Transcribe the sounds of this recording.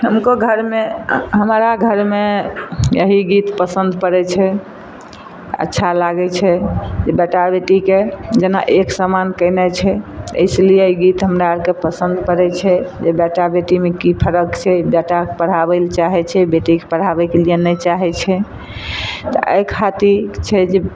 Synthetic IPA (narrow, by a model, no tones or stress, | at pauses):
ɦəmkoɡʱəɾmeɦəmɾaɡʱəɾmejəɦiɡit̪pəsənd̪pəɾɛt͡ʃʰɛ | ə̰tːʃʰalaɡɛt͡ʃʰɛd͡ʒebɛʈabeʈiked͡ʒenaʔeksəmankəɪnɛt͡ʃʰɛə̰ɪslijeəjɡit̪ɦəmɾaɾkepəsənd̪pəɾɛt͡ʃʰɛd͡ʒebɛʈabeʈimekipʰəɾəkt͡ʃʰɛbɛʈakepəɽ̤abɛlt͡ʃaɦɛt͡ʃʰɛbeʈikepəɽ̤abɛkelijenɛt͡ʃaɦɛt͡ʃʰɛ | t̪ɔʔə̰jkʰat̪iɾt͡ʃʰɛd͡ʒe